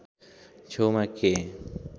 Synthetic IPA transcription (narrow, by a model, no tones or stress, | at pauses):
t͡ʃʰomake